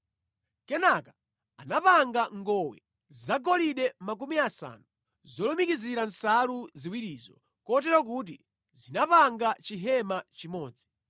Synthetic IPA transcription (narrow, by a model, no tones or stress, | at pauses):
kɛnaka | anapaŋɡaŋɡɔwɛ̰ | zzaɡɔliɗɛmak̬umiasa̰ːnu | zɔlɔmikiziɾansaluziwiɾiːzɔ̰ | kɔt̬ɛɾɔk̬ut̬ḭ | zinapaŋɡat͡ʃiɦɛmat͡ʃimɔːd͡zi